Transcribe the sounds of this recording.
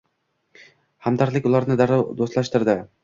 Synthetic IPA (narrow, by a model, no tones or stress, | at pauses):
hamd̪aɾlɪkʲʊlˠaɾnɪd̪aɾd̪ost̪lˠaʃt̪ɪɾd̪ɪ